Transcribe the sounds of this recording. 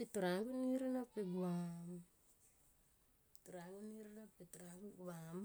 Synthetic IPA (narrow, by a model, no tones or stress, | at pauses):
pituɾaŋkuniɾinapːiɡam | tuɾaŋɡuniɾinapːituɾaŋkuɡam